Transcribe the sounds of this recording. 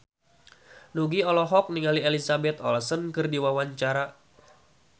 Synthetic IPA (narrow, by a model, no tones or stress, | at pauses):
nuɡiɔlɔɦɔk̚niŋalielisabɛt̪ɔ̰lsənkɨrdiwawaɲt͡ʃaɾa